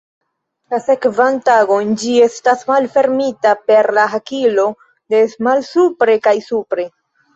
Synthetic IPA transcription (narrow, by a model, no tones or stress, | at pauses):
lase̞kvantaɡo̞nd͡ʒie̞stasmalfe̞ɾmitape̞ɾlaɦakilo̞ | de̞smalsupɾe̞kajsupɾe̞